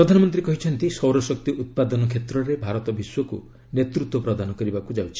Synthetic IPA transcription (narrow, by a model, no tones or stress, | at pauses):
pɾɔd̪ʱanɔmɔnt̪ɾikɔɦit͡ʃʰɔnt̪isɔwɾɔsɔk̚t̪iut̪̚pad̪ɔnɔkʰet̪ɾɔɾebʱaɾɔt̪ɔbiswɔkṵ | net̪ɾut̪wɔpɾɔd̪ʱanɔkɔɾibakud͡ʒawt͡ʃʰi̥